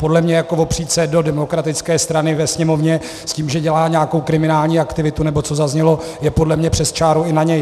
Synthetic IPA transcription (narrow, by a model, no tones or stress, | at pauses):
po̞dlɛmɲɛjako̞vo̞pr̝̥iːt̪sɛdo̞dɛmo̞kɾat̪ɪt͡skɛːst̪ɾanɪvɛsɲɛmo̞vɲɛ | sciːmʒɛɟɛlaːɲɛjako̞wkɾɪmɪnaːlɲiːakt̪ɪvɪt̪unɛbo̞t͡sozazɲɛlo̞ | jɛpo̞dlɛmɲɛpr̥ɛst͡ʃaːɾuɪnaɲɛj